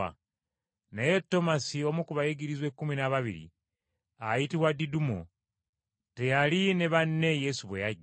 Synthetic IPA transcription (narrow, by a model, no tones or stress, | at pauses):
a̰ | naje̞tːo̞masio̞mukuβajeɡiɾizwekːuminaβaβḭɾḭ | ajitiβwadidumo̰ | te̞jaline̞βanːe̞jesuβwejaɟ